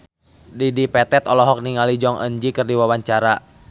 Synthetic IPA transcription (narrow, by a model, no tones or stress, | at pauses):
didipɛt̪ɛt̪ɔlɔɦɔk̚niŋalid͡ʒɔŋʔə̰ɲd͡ʒikərdiwawaɲt͡ʃaɾa